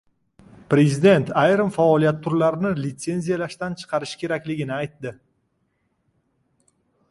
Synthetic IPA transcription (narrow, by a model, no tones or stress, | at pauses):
pɾe̞zid̪e̞nt̪ʰajɾɪmfaɒlijat̪ʰːʊɾlaɾnɪlɪt̪se̞nzijalaʃt̪ant͡ʃʰɨ̥qʰɑɾɪʃkʲʰe̞ɾakʲlɪɡʲɪnɪajt̪d̪ɪ